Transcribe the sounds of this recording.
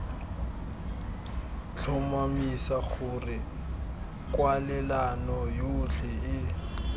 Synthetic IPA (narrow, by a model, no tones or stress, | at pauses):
t͡ɬʰʊmamisaɣʊrɪ | kʼwalɛlanɔjʊːɬʰɪɪ